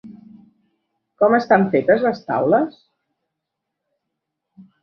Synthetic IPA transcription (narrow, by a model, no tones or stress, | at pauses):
kɔməst̪aɱfet̪əzləst̪a̰wləs